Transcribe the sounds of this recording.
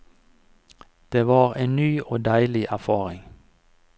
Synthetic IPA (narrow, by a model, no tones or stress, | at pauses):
d̪̥eːʋɑːʁeːnnyːʔoːd̪æɪlɪʔæfɑːʁɪŋ